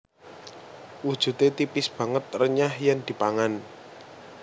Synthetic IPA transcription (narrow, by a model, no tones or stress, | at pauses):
wud̥ʒ̥ṳt̪et̪ipɪsb̥ä̤ŋət̪̚rəɲahjand̪̥i̤paŋan